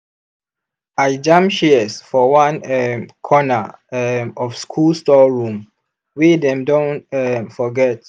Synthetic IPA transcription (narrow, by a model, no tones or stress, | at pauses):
aɪd͡ʒãmpʃiəsfɔwãnɛmkʰɔnaɛmɔfskʰulstɔɹũm | wedɛ̃mdõntɛmfɔɡɛt